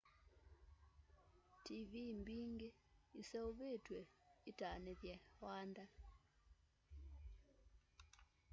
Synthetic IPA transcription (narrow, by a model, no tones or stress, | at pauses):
tivimbiŋɡe | isɛoβetweitaneðjɛwanda